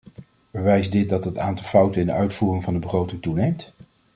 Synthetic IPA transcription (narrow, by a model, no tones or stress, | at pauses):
bəʋɛjzdɪt̚dɑtətaːntɑlˠfʌwtəɪndəœɥtfuːrɪŋvɑndəbəχrowtɪŋtunejmt